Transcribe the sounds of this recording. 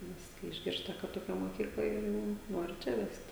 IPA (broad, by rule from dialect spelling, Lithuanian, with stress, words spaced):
ˈnʲɛs kɐɪ ɪʒʲˈɡʲɪrstɐ kɐ toːˈkʲɛ moːˈkʲiːklˠɐ ɪr ˈjɛʊ ˈnoːrʲɪ ˈt͡ʃʲɛ ˈʋʲɛst